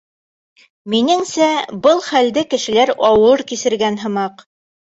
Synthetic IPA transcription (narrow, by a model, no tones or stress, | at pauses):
minɘ̆ŋsæbɤlˠχæld̪ɘkɘ̆ʃɘ̆læɾɑwɤɾkisɘ̆ɾɡænɦɤ̆mɑq